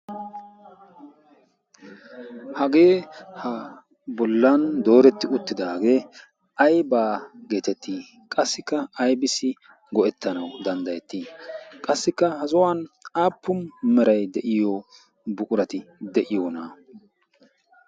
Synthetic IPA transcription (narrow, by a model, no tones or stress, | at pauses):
hɐɡe̞ːhɐ | bɔlːɐnd̪o̞ːɾɛt̪ːɪʊt̪ːɪd̪aːɡeː | ɐjbaːɡe̞ːt̪ɛt̪ːi | kʼɐsːɪkːɐɐjbɪsːɪ | ɡɔʔɛt̪ːɐnɐwd̪ɐnd̪ɐjɛt̪ːiːkʼɐsːɪkːɐhɐzɔwanaːpːʊnmɛɾɐjd̪ɛʔɪjo | bʊkʼʊɾɐt̪ɪd̪ɛʔɪjoːnaː